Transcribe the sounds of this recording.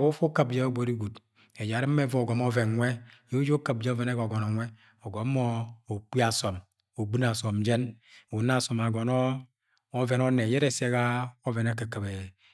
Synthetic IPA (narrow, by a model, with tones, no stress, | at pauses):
o˦fo˦ka˨bd͡ʒe˦ɡ͡bo˨ɾi˦ɡu˨t | e˨d͡ʒa˨ɾi˦m̩ː˦e˦vɔ˦˨ɡɔ˨mɔ˦vɛ˨nŋʷɛ˦jo˦d͡ʒo˦ka˨b̚d͡ʒe˦o˦vɛ˨ne˦ɡo˨ɡɔ˨nɔ˨ŋʷɛ˦ | ɔ˨ɡɔ˨˦mɔ˦o˨k͡pi˦a˨sɔ˨m | o˨ɡ͡bu˦n˦a˨sɔ˨md͡ʒe˦n˨u˨n˦a˦˨sɔ˨ma˨ɡɔ˨nɔː˦ | vɛ˨nɔ˦ne˨jɛ˦ɾɛ˦˨se˦ka˦o˦vɛ˨ne˦ke˨ka˨be˨